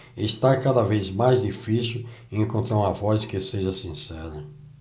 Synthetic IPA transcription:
est̪aɾkad̪ɐvejzmajzd̪ifisiwẽŋkõnt̪ɾaɾũmɐvɔskɪseʒɐsĩsɛɾɐ

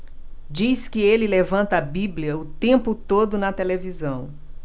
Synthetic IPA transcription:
d͡ʒiskɪelɪlevɐ̃nt̪ɐːbibliɐʊt̪ẽmpʊt̪od̪ʊnɐt̪elevizɐ̃w̃

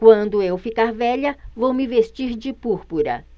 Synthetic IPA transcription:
kwɐ̃nd̪ʊewfikaɾvɛʎɐvowmɪvest͡ʃiɾd͡ʒɪpuɾpuɾɐ̰

